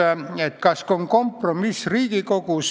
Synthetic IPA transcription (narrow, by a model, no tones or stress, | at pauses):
æet̪kɑskoŋkompromisriːkikokuˑs